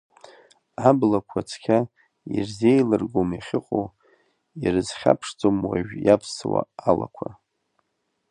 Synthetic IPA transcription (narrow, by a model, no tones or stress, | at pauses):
ablakʷʰat͡sʰkʲʰa | irzejlɨrɡomiχʲɪqʼo | irɨzχʲa̰pʰʂd͡zʼomwaʒᶣjapʰswa̰ala̰kʷʰa